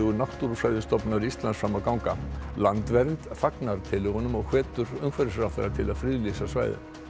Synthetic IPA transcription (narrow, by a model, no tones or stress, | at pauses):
ɣʏnaht̪uɾsvajðʏst̪ɔpnaɾiist̪lansfɾaːmakawŋkalant̪vɛɾnt̪faknaɾ̥t̪ʰɪlʏɣʏnʏmɔɣhɛːt̪ʏɾʏmkʰfvɛɾɪsɾawfɛ̰ɾat̪ʰɪlaðfɾiːðʏlisasva̰ːjðɪ̰